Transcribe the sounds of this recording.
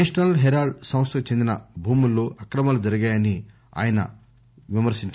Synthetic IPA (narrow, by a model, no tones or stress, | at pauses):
ʂɐnɐlɦɛɾaːɖsɐ̃mɐst̪ɐkut͡ʃe̞nd̪inɐbʱuːmulːo̞ːʔɐkɾɐmaːlud͡ʒɐɾiɡaːjɐni | a̰ːjɐnɐ̰ | ʋimɐɾsiɲt͡ʃ